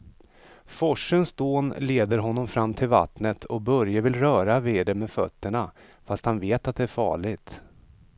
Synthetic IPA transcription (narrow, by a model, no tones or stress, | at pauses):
fɔʂːənsd̪oːnleːd̪əɾɦɔnːɔmfɾamːt̪ʰɪlva̰t̪nət̪ʰɔbœɾjavɪlɾœːɾavɪːd̪ɛmɛfœ̰t̪ːəɳa | fast̪hanveːt̪at̪̚d̪ɛæɾfɑ̰ːɭɪɡt̪